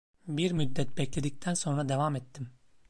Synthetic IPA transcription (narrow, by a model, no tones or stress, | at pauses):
biɾmyd̪ːɛt̪̚bɛclʲed̪ic̚t̪ʰænso̞nɾad̪e̞vamɛt̪ʰːim